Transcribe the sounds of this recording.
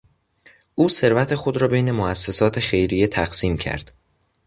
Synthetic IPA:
ʔuːse̞ɾvæt̪ʰe̞xo̞d̪ɾɒːbejne̞moæsːesɒːt̪ʰe̞xe̞jɾijet̪ʰæɡsiːmcʰæ̰ɾd̪̥

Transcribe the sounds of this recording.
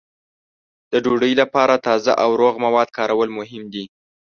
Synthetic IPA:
d̪̥əɖoɖəjlapɑɾat̪ɑza̰ʔawɾoɣmawɑd̪kɑɾawəlmʊɦɪmd̪i

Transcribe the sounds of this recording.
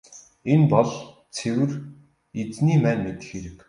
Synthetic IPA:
enpɔɮ | t͡sʰewɘ̆r | et͡sniːmæːnmet̪ɘ̥̆xeɾɘ̆k

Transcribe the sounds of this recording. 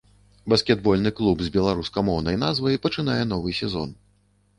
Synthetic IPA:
bɐskʲɛd̪̚bɔlʲnɨklˠubzʲbʲɛlˠaɾuskɐmɔwnɐjnazvɐjpɐt͡ʂɨnajɛn̪ɔvɨsʲɛzɔ̰n

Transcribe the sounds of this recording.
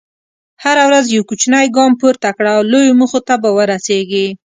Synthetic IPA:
haɾawɾazjawkut͡ʃnajɡɑmpuɾt̪akɽawlojomuxot̪abawəɾaseɡi

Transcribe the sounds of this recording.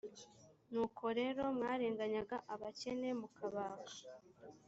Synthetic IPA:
nuːkʰo̞ɾe̞ːɾo̞mŋaːɾeːŋɡaɲaɡaʔaβace̞ne̞mukʰaβaːka

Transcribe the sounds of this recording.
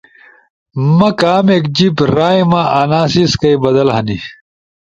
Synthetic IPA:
mɐkaːmeːkd͡ʑipɾaːjmɐʔanaːsiskɐjbɐd̪ɐlɦɐni

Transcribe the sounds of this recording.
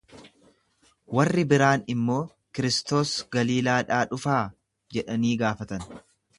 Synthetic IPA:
wɐrːɪbɪɾaːnɪmːo̞ː | kɪɾɪst̪o̞ːsɡɐliːlaːᶑaːᶑʊfaː | d͡ʒɛᶑɐniːɡaːfɐt̪ɐn

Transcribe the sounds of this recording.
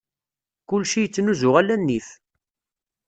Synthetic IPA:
kʊlʃijət͡sːnuzʊʁælːænːiθ

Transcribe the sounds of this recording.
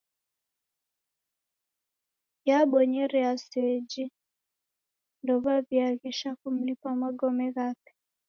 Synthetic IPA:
jaɓɔɲɛɾɛasɛd͡ʒi | ndɔβaviaɣiʃakum̩lipamaɡɔmɛɣapi̥

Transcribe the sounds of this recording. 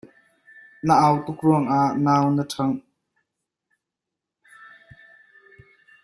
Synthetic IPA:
nəʔawt̪ʊk̚ruəŋaʔnaːwnətʰɐŋ

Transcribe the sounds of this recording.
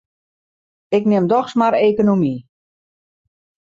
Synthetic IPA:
ɪknɪmdɔxsmaɾeːkonomi

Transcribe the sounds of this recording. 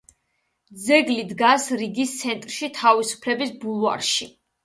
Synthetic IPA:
d̪zɛɡlid̪ɡasɾiɡist̪sʰɛnt̪ʼɾʃit̪ʰavisu̥pʰlɛbisbulˠva̰ɾʃi

